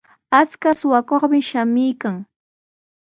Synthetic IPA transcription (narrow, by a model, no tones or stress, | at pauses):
at͡skasʊwakoχmɪʃamɪjkaŋ